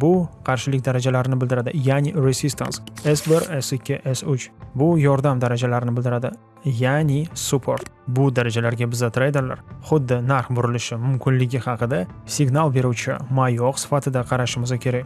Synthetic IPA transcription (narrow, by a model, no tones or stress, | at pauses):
bʊqʰɑɾʃɪlɪkʲd̪aɾad͡ʒalaɾɪnɪbɪld̪ɪɾad̪ɪjanɪɾesist̪ʰa̰nsesbɪɾesɪkʲʰːeʔesʊt͡ʃbʊjɒɾd̪amd̪aɾad͡ʒalaɾɪnɪbɪld̪ɪɾad̪ɪ | janɪsupʰo̞̰ɾt̪bʊd̪aɾad͡ʒalaɾɡʲabɪzat̪ʰɾajd̪ɪɾla̰ɾχʊd̪ːɪnaɾfbʊɾɪlɪʃɪmʊmkʲʰɪnlɪɡʲɪχɑqʰɨd̪a | sɪɡnalˠbe̞ɾuwt͡ʃʰɪ̰majɒqsɪ̥fat̪ʰɪd̪aqʰɑɾaʃɪmɪzakʲʰeɾakʲ